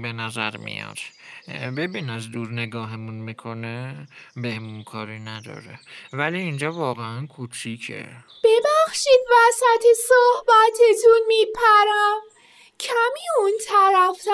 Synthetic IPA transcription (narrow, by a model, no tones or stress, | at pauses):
be̞næzæ̰ɾmḭjɒ̰d̪̥be̞biːnæzd̪uːɾne̞ɡɒːɦemunmikʰo̞nebehmunkʰɒːɾinæd̪ɒ̰ːɾevæliːnd͡ʒɒːvɒːɣeænkʰut͡ʃʰiːcʰḛ | b̥e̞bæxʃiːd̪væsæt̪ʰesohbæt̪ʰet̪ʰunmipʰæɾæm | kʰæmiːunt̪ʰæɾæft̪